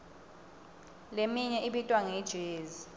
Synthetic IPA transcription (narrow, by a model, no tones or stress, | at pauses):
lemiɲɛʔiɓitʼwaŋɛd̥ʒ̥ʱeːzi